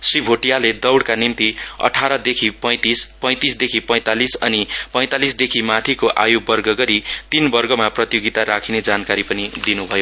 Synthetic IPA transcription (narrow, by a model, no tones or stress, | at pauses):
sribʱoʈijaled̪ʌwɽkanint̪iʌ̰ʈʰaɾʌd̪ekʰipʌj̃t̪ispʌj̃t̪isd̪ekʰipʌ̃j̃t̪alisʌ̰nipʌj̃t̪alisd̪ekʰimat̪ʰikoʔa̰jubʌrɡʌɡʌɾit̪inbʌrɡʌmaprʌt̪joɡit̪aɾakʰined͡zankaɾipʌnid̪inubʱʌjo